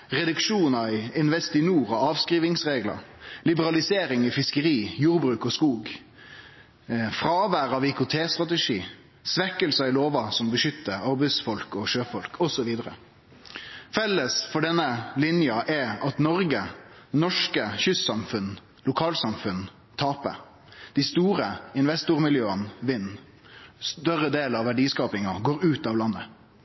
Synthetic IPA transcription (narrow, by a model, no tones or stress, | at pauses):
ʁɛd̪ʉkʂuːnɑɪɪnʋɛst̪ɪnuːʁɔɑːʋskʁiːʋɪŋsʁeːɡlɑ̰lɪbəɾɑlɪseːɾɪŋɪfɪskəɾiːjuːɾbɾʉːkɔskuːɡ | fɾɑːʋæːɾɑʋɪkʊt̪ʰeːst̪ʁɑt̪ɛʂiː | sʋɛkːəlsəɪloːʋɑsɔmbəʃʏt̪ːəɑɾbɛɪsfɔlkɔʃøːfɔlkʰɔsɔʋiːd̪əɾə̰ | fɛlːəsfɔɖɛnːəlɪnjɑʔɛɑt̪nɔɾɡəɛnɔʂkəçʏsːɑmfʉnː | lʊkʰɑːlsɑmfʉn | t̪ʰɑːpə̰ | d̪̥æɪst̪uːɾəɪnʋɛst̪ʊɾmɪljøːənʋɪnː | st̪œʁəd̪eːlɑʋʋæɖiːskɑːpɪŋɑɡoːɾʉːt̪ɑːʋlɑnːə